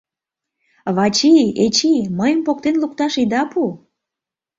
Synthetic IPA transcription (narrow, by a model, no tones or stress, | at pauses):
βɑt͡ɕiet͡ɕiməjəmpok̚t̪enluk̚t̪ɑʃid̪ɑpu